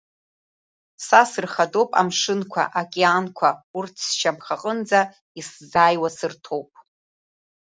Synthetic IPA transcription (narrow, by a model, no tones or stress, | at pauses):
sasɨrχado̞wpʼa̰mʂɨnkʷʰa̰ʔakʼeankʷʰaurtʰsʃamχaqʼənd͡za | iszaːjwasɨrtʰowpʼ